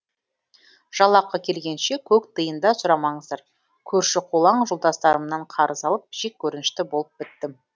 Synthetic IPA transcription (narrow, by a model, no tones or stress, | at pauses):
ʒ̥ɑlˠɑqːɑkʲʰe̞lɡʲe̞nʃe̞kʲʰɵkt̪ʰəjənd̪ɑsʊɾɑmɑɴəzd̪ɑɾ | kʲʰɵɾʃɪqʰolˠɑɴʒʊlˠd̪ɑst̪ɑɾəmnɑɴqʰɑɾʔəzɑlˠəp̚ʒ̥e̞k̚ʲʰːɵɾɪnɪʃt̪ɪbo̞lˠəp̚bɪt̪ːɪm